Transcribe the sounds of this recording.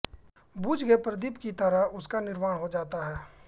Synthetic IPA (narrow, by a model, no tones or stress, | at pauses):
buːd͡ʒɡepɾəd̪ipkit̪əɾaʊskanɪɾmaːɽ̃ɦod͡ʒaːt̪aɦɛː